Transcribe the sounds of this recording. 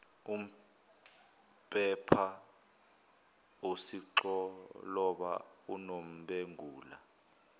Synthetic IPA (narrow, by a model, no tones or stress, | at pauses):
um̩ | pʼɛpʰa | osiǁɔlɔɓa̰unom̩ɓeŋuːla